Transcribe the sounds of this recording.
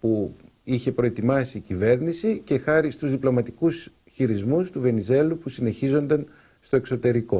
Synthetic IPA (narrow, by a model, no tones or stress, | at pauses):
pu | içe̞pɾo̞e̞t̪imɐsiːcive̞ɾnisice̞xɐɾist̪uzðiplo̞mɐt̪ikus | çiɾizmust̪uve̞nize̞lupusine̞çizo̞nd̪ɐn | st̪o̞e̞kso̞t̪e̞ɾiko̞